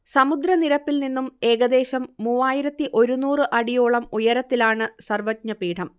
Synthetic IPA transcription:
sɐmud̪ɾɐniɾɐpːilninːume̞ːɡɐd̪e̞ːɕɐmːuːʋaːjiɾɐt̪ːiʔo̞ɾunuːrɨʔɐɽijoːɭɐmujɐɾɐt̪ːilaːɳɨsɐrʋɐt̪̚ɲɐpiːʈʰɐm

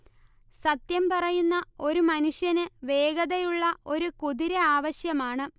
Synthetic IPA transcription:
sɐt̪jɐmpɐrɐjunːɐo̞ɾumɐnuɕjɐnɨʋe̞ːɡɐðɐjuɭːɐʔo̞ɾukuðiɾɐaːʋɐɕjɐmaːɳɨ

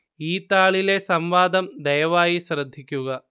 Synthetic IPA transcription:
iːt̪aːɭile̞sɐmʋaːd̪ɐmd̪ɐjɐʋaːjisɾɐd̪ʱːikʲːuɣɐ

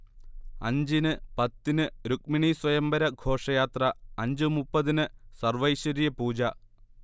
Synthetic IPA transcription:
ɐ̰ɲd͡ʑinɨpɐt̪ːinɨɾuk̚miɳiswɐjɐmbɐɾɐɡʱo̞ːʂɐjaːt̪rɐɐɲd͡ʑɨmupːɐðinɨsɐrʋɐjɕɐɾijɐpuːd͡ʑɐ

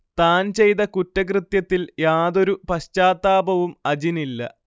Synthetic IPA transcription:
t̪aːnt͡ɕe̞jt̪ɐkutːɐk̬rɨt̪jɐt̪ːiljaːðo̞ɾupɐɕt͡ɕaːt̪ːaːbɐʋumɐd͡ʑinilːɐ̰

